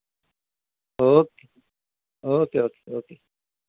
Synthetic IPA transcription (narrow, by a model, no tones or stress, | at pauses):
oːke | oːkeoːke̥oːkeː